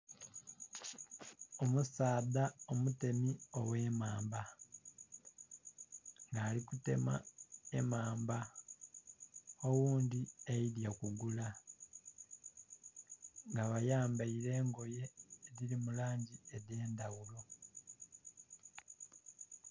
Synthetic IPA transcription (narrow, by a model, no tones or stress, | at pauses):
o̞musaːðaomute̞mio̞we̞ːmaːmba | ŋɡaːlikute̞̰ma̰e̞maːmba | owuːndieiɾjakuɡula | ŋɡaβajaːmbaiɾe̞ːŋɡo̞je̞ːðiɾimulaːɲɟieðe̞ːndawulo̞